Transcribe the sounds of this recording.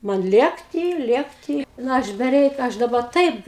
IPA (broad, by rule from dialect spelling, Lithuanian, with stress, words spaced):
ˈmɐn ˈlʲeːktʲiː ˈlʲeːktʲiː ˈnɐ ˈɐʃ bʲɛˈrʲɛɪk ˈɐʃ dɐˈbɐ ˈtɐɪp